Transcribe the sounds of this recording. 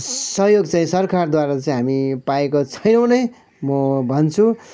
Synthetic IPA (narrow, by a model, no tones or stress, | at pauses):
sʌɦjoɡt͡saĩsʌrkʰard̪waɾat͡saĩɦamipaekot͡sʰʌjnʌwnʌj | mʌbʱʌnt͡sʰu